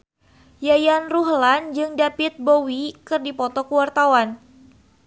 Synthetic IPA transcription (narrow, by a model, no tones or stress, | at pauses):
jajanruɦland͡ʒɨŋdapɪt̪̚bowikɨrdipɔt̪ɔkəwart̪awan